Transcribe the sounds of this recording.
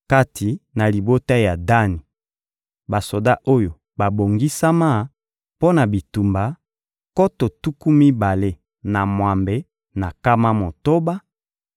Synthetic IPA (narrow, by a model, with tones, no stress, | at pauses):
ka˦tʰi˨na˨li˨bo˦ta˦ja˨da˦ni˨ | ba˨so˨da˦ʔo˦jo˨ | ba˨bo˨ŋɡi˦sa˦ma˦ | po˦na˨bi˨tu˨mba˨ | ko˦to˨tu˦ku˦mi˦ba˨le˦ | na˨mwa˨mbe˦ | na˨ka˦ma˦mo˨to˦ba˦